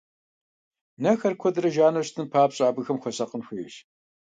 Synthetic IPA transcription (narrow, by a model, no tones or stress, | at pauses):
nɐxɐrkʷʰɔdrɐʒaːnɐɕtʰɨnpʰaːpɕʼaːbɨxɐmxʷɔsɐqənxʷiːɕ